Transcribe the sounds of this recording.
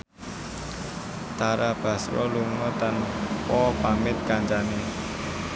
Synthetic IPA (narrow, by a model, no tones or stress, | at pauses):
t̪aɾab̥a̤sɾɔ̰luŋɔt̪anpɔpamɪt̪̚kaɲt͡ʃane